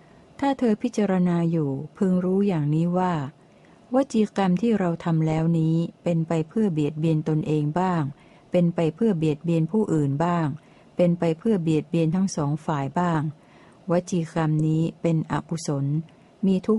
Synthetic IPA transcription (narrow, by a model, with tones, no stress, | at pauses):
t̪ʰaː˥˩t̪ʰɤː˧pʰi˦˥t̪̚t͡ɕa˧ɾa˧naː˧juː˨˩pʰɯ˧ŋɾuː˦˥jaː˨˩ŋniː˦˥waː˥˩ | wa˦˥t̪̚t͡ɕʰiː˧ka˧mt̪ʰiː˥˩ɾa˧wt̪ʰa˧mlɛː˦˥wniː˦˥pe˧npa˧jpʰɯ˥˩ɐbi˨˩ət̪̚bi˧ənt̪o˧nʔeː˧ŋbaː˥˩ŋ | pe˧npa˧jpʰɯ˥˩ɐbi˨˩ət̪̚bi˧ənpʰuː˥˩ʔɯː˨˩nbaː˥˩ŋ | pe˧npa˧jpʰɯ˥˩ɐbi˨˩ət̪̚bi˧ənt̪ʰa˦˥ŋsɔː˩˦ŋfaː˨˩jbaː˥˩ŋ | wa˦˥t̪̚t͡ɕʰiː˧ka˧mniː˦˥pe˧nʔa̰˨˩ku˧˩so˩˦n | miː˧t̪ʰu˦˥k̚